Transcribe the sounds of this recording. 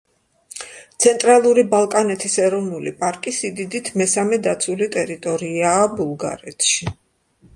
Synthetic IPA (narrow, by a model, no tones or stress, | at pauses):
t̪sʰɛnt̪ʼɾalˠuɾibalˠkʼanɛt̪ʰisɛɾɔvnulipʼaɾkʼisid̪id̪it̪ʰmɛsamɛd̪at̪sʰulit̪ʼɛɾit̪ʼɔɾiaːbulˠɡa̰ɾɛt̪ʰʃi